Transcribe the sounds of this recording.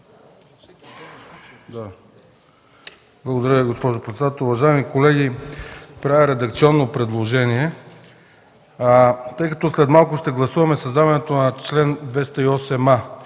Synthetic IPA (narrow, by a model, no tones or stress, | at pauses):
d̪a | blˠɡod̪ɐɾʲəviɡospɔʒʊpɾɛt̪sɛd̪at̪əlˠuvɐʒaɛmikolɛɡʲi | pɾavʲɐɾɛd̪ɐkt̪siɔnːopɾɛd̪lˠoʒɛniɛ | t̪ɤjkɐt̪ɔslɛt̪malˠkʊʃt̪ɛɡlˠɐsuvɐmɛsɐzd̪avɐnɛt̪onɐt͡ʃlɛnd̪vɛst̪ɐiɔsɛma